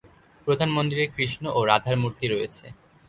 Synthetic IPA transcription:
pɾod̪ʱanmond̪ɾiɾeɾkɾiʃnoʔoɾad̪ʱaɾmuɾt̪iɾojet͡ɕʰḛ

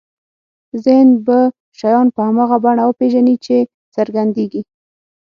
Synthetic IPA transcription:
zɪhnba | ʃajɑnpəhamɑɣabaɳawəpeʒanit͡ʃe | t͡səɾɡand̪eɡi

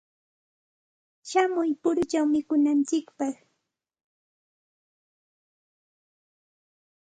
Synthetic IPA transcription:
ʃamʊjpʊɾʊt͡ʃawmɪkʊnant͡ʃɪkpɑχ

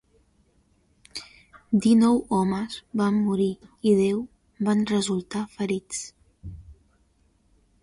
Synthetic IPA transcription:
d̪inɔwɔməzbamːuɾiiðew | banrəzulˠt̪afəɾit͡s

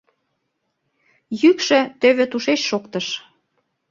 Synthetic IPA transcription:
jykʃø̆t̪øβĕt̪uʃeʃʃokt̪əʃ

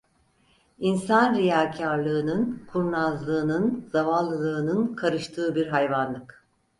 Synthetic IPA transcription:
insanɾijaːcʰaɾlˠɯːnɯnkʰuɾnazlˠɯːnɯnzavalˠːɯlˠɯːnɯnkʰaɾɯʃt̪ʰɯːbiɾɦajvanlˠɯk

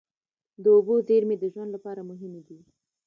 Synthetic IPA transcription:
d̪əʊbozeɾmed̪əʒwand̪lapɑɾamʊɦɪmed̪i

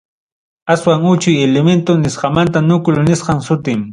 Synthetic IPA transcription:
aswaŋʊt͡ʃʊjelement̪ʊnɪsqɑmant̪anʊkʊlnɪsqɑŋsʊt̪ɪm

